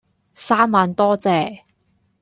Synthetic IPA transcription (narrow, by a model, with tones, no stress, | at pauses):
saː˥mːaː˨˧nt̪ɔː˥t͡sɛː˧